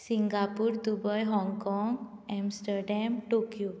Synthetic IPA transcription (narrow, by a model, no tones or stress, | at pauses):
siŋɡapuːɾd̪ubəjɦɔ̃ŋɡkɔŋɡɛmsʈəɾɖɛmʈokju